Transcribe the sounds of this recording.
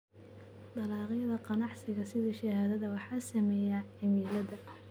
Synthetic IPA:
d̪ɑlɑːʁjɐðɐqɑnɑʕsɪɣɐsɪðiʃɐhaːðɐðɐwɑħɑːsɐmɛːjaɪmiːlɐðɐ

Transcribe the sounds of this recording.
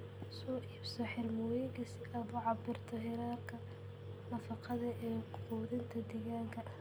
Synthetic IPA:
sɔːʔiːbsɔħɪrmɔːjɪɣɐsɪɣɐbʊʕɑbɪrt̪ʰɔɦɪɾaːrkʰɐ | nɐfɑqɑðɐʔɛːquːðɪnt̪ʰɐd̪ɛːɣaːŋkʰɐ

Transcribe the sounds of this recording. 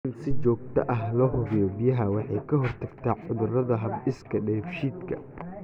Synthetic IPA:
ɪnsɪt͡ʃɔːɡ̚t̪ʰɐʔɐɦlɔːɦʊβɪjɔbɪjɐɦɐwɑħɑjkʰɐɦɔrt̪ʰɐɡt̪ʰaːʕʊðʊrɐðɐɦɐbɪskʰɐɖɛfʃiːd̪kʰɐ̰

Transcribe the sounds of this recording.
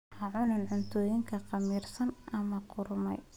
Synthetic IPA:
ħɑʕʊnɐnʕʊnt̪ʰɔːjɪŋkʰɐqɑmiːrsɐnʔɐmɐqʊrmɛ̰j

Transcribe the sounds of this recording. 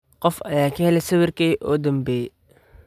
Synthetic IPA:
qɔfɐ̰jaːkʰɐhɛlɛsɐwɪrkɛjʔɔːd̪ɐmbɛː

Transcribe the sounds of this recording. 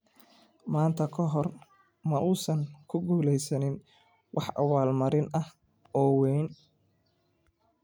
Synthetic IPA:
maːnt̪ʰɐkʰɔɦɔr | mɐʔuːsɐŋkʰʊɡuːlɛjsɐnɪn | wʔɑħʔɐ̰waːlmɐɾɪnɐh | ɔːwɛjn

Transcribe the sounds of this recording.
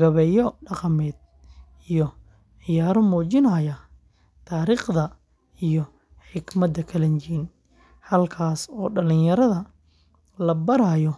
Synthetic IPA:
ɡɐβɛjɔɖɑqɑmɛːd̪̥̚ | ijɔ | ʕɪjaːɾɔmuːt͡ʃɪnɐːjɐ | t̪ʰaːɾiːχðɐ | ijɔ | ħɪɡmɐd̪ɐkʰɐlɐnt͡ʃiːn | hɐlkʰaːsɔːɖɐlɪnjɐɾɐðɐ | lɐbɐɾaːjɔ

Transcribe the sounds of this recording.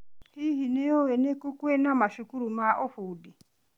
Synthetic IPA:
hiɦineowenekukwenamaʃukuɾumaʔofudi

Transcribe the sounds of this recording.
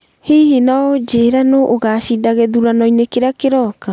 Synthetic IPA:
hiɦinaod͡ʒeːɾanoʔːɣaʃidaɣɛðuɾanɔinekeɾakeɾɔka

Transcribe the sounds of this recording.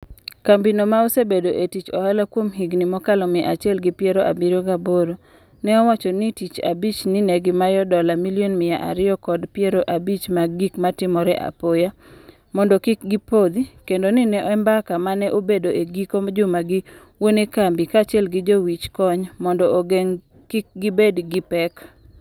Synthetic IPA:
kambinomaosebedoʔetit͡ʃɔhalakwomɦiɡnimɔkalɔmɪʔa̰t͡ʃɛlɡɪpjɛɾoʔa̰biɾoɡaboɾo | nɛɔwat͡ʃɔnitit͡ʃa̰bit͡ʃnɪnɛɡɪmajɔdɔlamilionmɪjaʔa̰ɾɪɔkɔdpjeɾoʔabit͡ʃmaɡikmatɪmɔɾɛʔa̰poja | mɔndɔkɪk̚ɡipod̪ikendonɪnɛʔɛmbakamanɛʔobedoʔeɡikod͡ʒʊmaɡɪ | wonekambɪkat͡ʃɛlɡɪd͡ʒowit͡ʃkɔɲmɔndɔoɡeŋ | kɪk̚ɡɪbedɡɪpɛk

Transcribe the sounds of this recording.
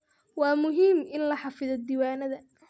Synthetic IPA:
wɑːmʊɦiːmɪnlɐħɑfɪðɔd̪iːwaːnɐðɐ

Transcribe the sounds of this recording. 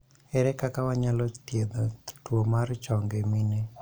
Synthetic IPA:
ɛɾɛkakawaɲalɔt̪jed̪ɔtwomart͡ʃɔŋɡeminɛ

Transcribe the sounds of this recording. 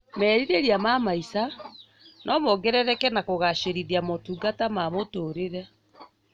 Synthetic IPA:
mɛːɾiɾeɾiamamaisa | nʔɔmɔɡɛɾɛɾɛkɛnakoɣaɕeɾiɾiamotuɡatamamotoɾeɾɛ

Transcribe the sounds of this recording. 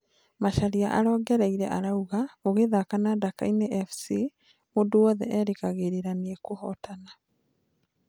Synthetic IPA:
maʃaɾiaʔaɾɔːɡɛɾɛiɾɛ̰ʔaɾauɣaoɣeðakanadakaineʔɛfsi | monduwɔðɛ̰ʔɛɾekaɣeɾeɾaniɛkohɔtana

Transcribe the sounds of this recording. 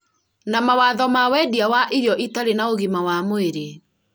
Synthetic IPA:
namawaðɔmawɛdiawaʔiɾjɔʔitaɾenaoɣimawamoeɾe

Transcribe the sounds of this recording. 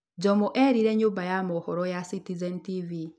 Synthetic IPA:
d͡ʒɔmɔʔɛɾiɾɛɲombajamɔhɔɾɔjasitizɛntivi

